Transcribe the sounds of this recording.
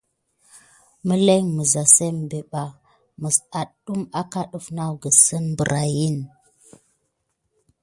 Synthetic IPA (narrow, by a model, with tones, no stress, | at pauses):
mə˦le˦mə˨za˨se˦m˨be˨ɓa˨ | mə˨sa˨ɗɗu˦ma˦ka˦ɗu˨fna˦wɡə˨sə˦nbə˨ɾʔa˨ji˦˨n